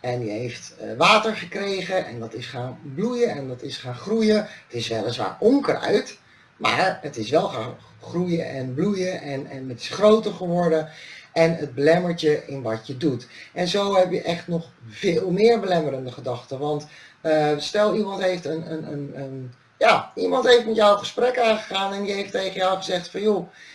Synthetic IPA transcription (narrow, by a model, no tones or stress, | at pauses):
ɛnjəɦejftʋaːtəɹχəkrejχəʔɛ̰ndɑtɪsχaːnblujəɛndɑtɪsχaːnχrujəətɪsʋɛlˠənsʋa̰ːɹʔɔŋkrœ̰ɥt | ma̰ːɹətɪsʋɛlˠχan | χrujəʔɛnblujəʔɛnɛnətɪ̥sχrowtəɹχəʋɔɹdəʔɛnəd̚bəlɛməɹtəʔɪnʋɑtjədutʔɛnzowɦɛpjəʔɛχtnɔχv̥ɪːlˠmɪːɹbəlɛməɾəndəχədɑχtəʋɑnt | əstɛlˠimɑntɦejftənənənən | jaːimɑntɦejftmɛtjɔwəχə̥sprɛkaːnχəχaːnɛnjəɦeftejχənjɔwχəzɛχtfɑnjo